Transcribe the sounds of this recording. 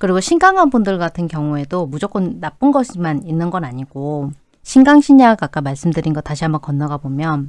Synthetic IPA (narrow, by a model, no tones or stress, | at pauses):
kɯɾiɡoɕʰinɡaŋɦanbundɯɭɡatʰɯnkjʌŋue̞domud͡ʑok͈ʌnːap͈ɯnɡʌɕʰimaninːɯnɡʌnaɲiɡ̥o | ɕʰinɡaŋɕʰiɲaakak͈amaɭs͈ɯmdɯɾinɡʌtaɕʰiambʌnkʌnːʌɡabomjʌn